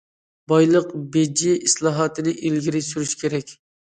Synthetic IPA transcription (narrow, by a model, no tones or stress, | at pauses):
bɑjlˠəqbed͡ʒiʔislˠɑːɦɑːt̪ʰɨnɪʔilɡʲiɾɪsyɾyʃkʲʰeɾɛkʲ